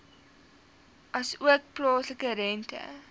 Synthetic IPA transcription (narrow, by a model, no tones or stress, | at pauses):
ʔɐsuək̚plɑːsləkəɾɛntʰə̰